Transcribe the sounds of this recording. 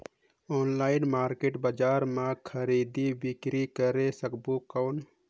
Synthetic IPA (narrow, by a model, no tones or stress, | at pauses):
onlaɪnmaɾkeʈbəd͡ʒaɾmãkʰəɾid̪ibikɾikəɾesəkbukəʊn